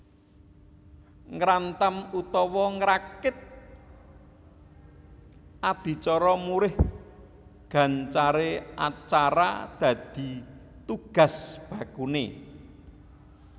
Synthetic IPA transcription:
ŋɾant̪əmut̪ɔwɔŋɾakɪt̪̚ | ʔad̪̥i̤t͡ʃɔɾɔmuɾɪh | ɡ̥ä̤nt͡ʃaɾea̰t͡ʃaɾa̰d̪̥ä̤d̪̥i̤ | t̪uɡ̥a̤sb̥ä̤kune

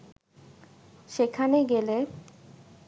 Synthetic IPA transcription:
ʃekʰaneɡele

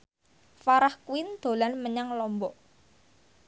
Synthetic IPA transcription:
faɾahkwɪnd̪̥o̤lanməɲaŋlɔmbɔ

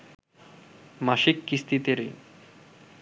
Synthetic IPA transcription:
maʃikːist̪ʰit̪eɾi

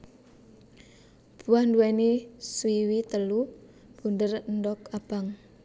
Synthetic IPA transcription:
b̥uahnduɛniswiwit̪əlu | b̥und̪ərəndɔkab̥aŋ

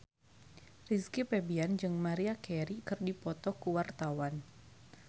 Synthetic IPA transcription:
riskipɛbiand͡ʒɨŋmaɾiakɛɾikɨrdipɔt̪ɔkuwart̪awan

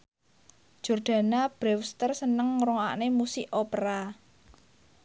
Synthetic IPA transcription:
d̥ʒ̥ɔ̤rd̪̥ä̤nab̥ɾɛwst̪ərsənəŋːɾuŋa̰ʔnemusɪʔopɾa

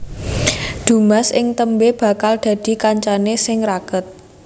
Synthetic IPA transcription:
d̪̥ṳmasʔɪŋt̪əmbeb̥a̤kald̪̥ä̤d̪̥i̤kaɲt͡ʃanesɪŋɾakət̪̚

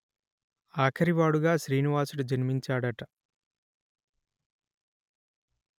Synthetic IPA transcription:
aːkʰɐɾiʋaːɽuɡaːʃɾiːniʋaːsuɽud͡ʒɐnimiɲt͡ʃaːɽɐʈɐ

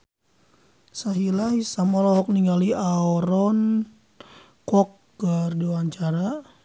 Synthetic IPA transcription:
saɦilaisamalɔɦɔk̚niŋɡaliaɔɾɔn | kɔk̚ | ɡərdiwaɲt͡ʃaɾa

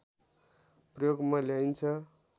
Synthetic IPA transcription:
prʌjoɡmaljajnt͡sʰʌ

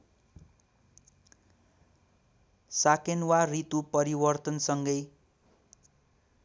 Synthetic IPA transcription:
sakenwarit̪upʌɾibʌrt̪ʌnsʌŋɡʌj

